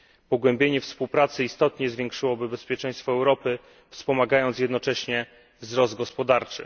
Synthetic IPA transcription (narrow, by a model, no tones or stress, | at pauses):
pɔɡwɛmbʲjeɲɛfspuwpɾat̪sɘist̪ɔt̪ɲɛzvʲjɛŋkʂɘwɔbɘbɛspʲjɛt͡ʂɛ̃j̃st̪fɔɛwɾɔpɘ | fspɔmaɡajɔnt̪sjɛd̪nɔt͡ʂɛɕɲɛ | vzɾɔzd̪̚ɡɔspɔd̪aɾt͡ʂɘ̰